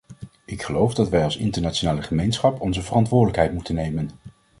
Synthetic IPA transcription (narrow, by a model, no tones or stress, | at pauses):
ɪkχəlowfdɑtʋɛjɑlˠsɪ̰ntəɹnaːt͡ʃonaːləχəmejnsχɑpɔnzəvərɑntʋʊːɹdələkɦɛjtmutənːejmən